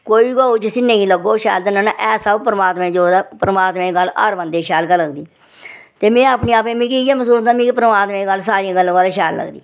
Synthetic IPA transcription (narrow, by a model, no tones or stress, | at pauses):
koːiːɡaːut͡ʃəsĩːnəĩːləɡoːʃa̰ːld̪ənənːʔɛːsəbpɾəmaːt̪mẽːd͡ʒoːd̪aːpəɾəmaːt̪mẽːɡəla̰ːɾʋə̃nd̪eːʃaːlkələɡd̪iː | t̪eːmɛ̃ːaːpniːaːpẽːmĩːkiãːməsuːlət̪aːmĩːpəɾəmaːt̪mẽːɡəls̬aːɾiãːɡəlːãːaːleːʃɛːlːə̰ɡd̪ḭː